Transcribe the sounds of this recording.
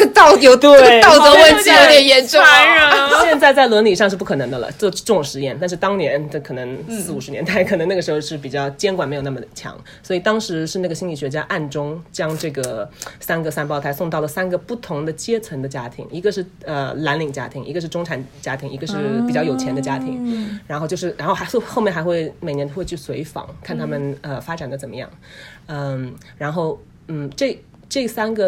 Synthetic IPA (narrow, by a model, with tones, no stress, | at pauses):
t̪ɑ˥˩ʊt̪jo˧˥ʊt̪e˥˩ɑ˥˩˥ʊə˧˥wə˥˩i˧˥jo˧˥ʊt̪jɛ˨˩njɛ˧˥nʈ͡ʂwa˥ɕjɛ˧nt͡sa˥˧ɪt͡sa˥˩ɪlwə˧˥nli˨˩ʂɑ˥˧ŋʂ̬̩˥˧p̬u˥˩kʰɤ˨˩nɤ˧˥d̪ə˧lə̰˧˩ʈ͡ʂʈ͡ʂʊ˥˩ŋʂɻ̩˧˥jɛ˥˩nt̪a˥˧nʂɻ̩˥˧t̪ɑ˥ŋnjɛ˧˥nʈ͡ʂɤ˥˩kʰɤ˨˩nɤ˧˥ŋs̩˥˩u˨˩ʂɻ̩˧˥nɛ˧˥nt̪a˥˩ɪkʰɤ˨˩nɤ˧˥ŋna˥˩ɡə˩ʂɻ̩˧˥xo˧ʊʂɻ̩˥˩pi˨˩t͡ɕjɑ˥˩ʊt͡ɕjɛ˥nkwa˨nm˧˥jna˥˩mə˩t͡ɕʰjɑ̰˧˥ŋ | swɔ˧˥i˨˩t̪ɑ˥ŋʂɻ̩˧˥ʂɻ̩˥˧na˥˩ɡə˩ɕi˥nli˨˩ɕɥɛ˧˥t͡ɕja˥ʔa˥˩nʈ͡ʂʊ˥ŋt͡ɕjɑ˥ŋʈ͡ʂɤ˥˩ɡə˩sa˥nɡə˨sa˥˧npɑ˥ʊt̪ʰa˧˥ɪsʊ˥˧ŋt̪̬ɑ˥˩ʊlə˩sa˥nɡə˨pu˥˩t̪ʰʊ˧˥ŋd̪ə˧t͡ɕjɛ˥t͡sʰə˧˥ŋd̪ə˧t͡ɕja˥t̪ʰḭ˧˥ŋi˧˥ɡə˧ʂɻ̩˥˩ə˧˩la˧˥nli˨˩ŋt͡ɕja̰˥t̪ʰi˧˥ŋi˧˥ɡə˧ʂɻ̩˥˩ʈ͡ʂʊ˥ŋʈ͡ʂʰa˨˩nt͡ɕja˥t̪ʰi˧˥ŋi˧˥ɡə˧ʂɻ̩˥˩pi˨˩t͡ɕjɑ˥˩jo˨˩ʊt͡ɕʰjɛ˧˥nd̪ə˧t͡ɕja˥t̪ʰi˧˥ŋɻa˧˥nxo˧t͡ɕjo˥˧ʊʂɻ̩˥˩ɻa˧˥nxo˥˧ʊxxo˥˧mjɛ˥˩nxa˧˥ɪxwe˥˩ɪme˨˩ɪnɛ˧˥xwe˥˧y˥˩swe˧˥ɪfɑ̰˨˩˦ŋkʰa˥˩nt̪ʰa˥mə˨nə˧fa˥ʈ͡ʂa˨˩nd̪ə˦t͡sə˨˩nmə˦jɑ̰˥˩ŋ | ə˧ | ɻa˧˥nxo˥˩ʊ | n̩˥˩ʈ͡ʂɤ˥˩ | ʈ͡ʂɤ˥˩sa˥nɡə˨